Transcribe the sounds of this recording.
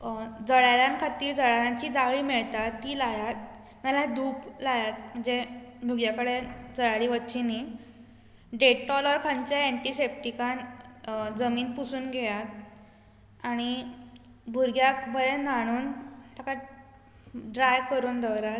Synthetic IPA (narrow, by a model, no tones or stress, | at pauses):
d͡zəɭaɾjãŋkʰat̪iːɾd͡zəɭaɾjãɲt͡ɕiːd͡zaɡɭiːmiɭt̪at̪ːiːlajat̪̚ | malad̪ʱuːplajat̪̚m̤əɳd͡zed̪ʱuɡjakəɽed͡zəɭaɭiːʋətːt͡ɕini | ɖeʈʈɔləɾkʰãɲt͡ɕaɛɳʈisep̚ʈikan | d͡zəmiːnpusuːnɡʱejat̪̚ | aɽ̃i | bʱuɾɡjakbʱəɭenaɽ̃uːnt̪aka | ɖɾajkəɾuːnd̪əwɾa